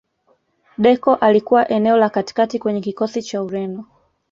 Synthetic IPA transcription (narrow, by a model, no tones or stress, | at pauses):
ɗɛkɔʔalikuwaʔɛnɛɔlakati̥katikwɛɲɛkikɔsit͡ʃauɾɛnɔ